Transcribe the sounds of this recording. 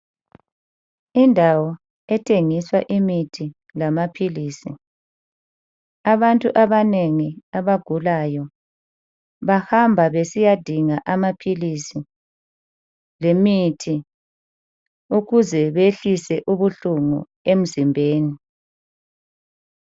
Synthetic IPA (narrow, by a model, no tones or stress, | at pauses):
indʱawɔ | ɛtʰʼeŋiswaʔimitʰi | lamapʰiliːsḭ | aβantʼuʔaβaneŋiaβaɡ̥ʱulajɔ | βahambʱaβesijad̥ʱiŋaʔamapʰilisi | lemitʰi | uɣuzɛβeɬisɛʔuβuɬuŋṵ | em̩zimbʱeːni